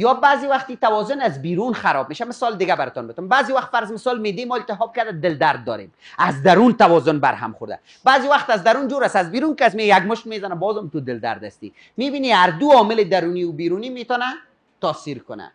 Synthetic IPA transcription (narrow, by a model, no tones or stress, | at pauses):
jɔbaːziwaxt̪it̪awɔzʊnazbiɾunxaɾɔb̚meʃamɪsɔld̪ɪɡabaɾɪt̪ɔnbɪt̪ʊmbaːziwaxt̪faɾzmɪsɔlmed̪emɔɪlt̪ɪɦɔb̚kad̪ad̪ɪld̪aɾd̪̚ːɔ̰ɾḛm | azd̪aɾunt̪awɔzʊnba̰ɾɦa̰mχʊɾd̪a̰ | baːziwaχt̪azd̪aɾund͡ʒuɾasazbiɾunkasmejaɡmʊʃnmezanabɔzɔmt̪ud̪ɪld̪a̰ɾd̪a̰st̪ḭ | mebiniaɾd̪uɔmɪlɪd̪aɾuniʊbiɾunimet̪ɔna | t̪ɔsiɾkʊna̰